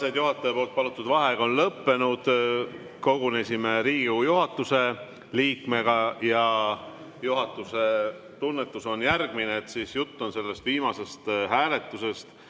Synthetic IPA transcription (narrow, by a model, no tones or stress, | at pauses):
sed̪̥juɦɑt̪ːˑeːpo̞ːlt̪̚pɑlut̪ːˑud̪vɑɦe̞ɡ̥ɑo̞nlɤpːe̞nud̪̥ | ko̞ɡune̞sime̞ɾiːɡ̥ujuɦɑt̪ːˑuse̞ | liːkmeɡ̥ɑjɑ | juɦɑt̪ːˑuse̞ | t̪unːe̞t̪ːˑuso̞njærɡ̥mineːt̪siːsjut̪ːonse̞lːe̞st̪viːmɑse̞st̪hæːle̞t̪ːˑuse̞st̪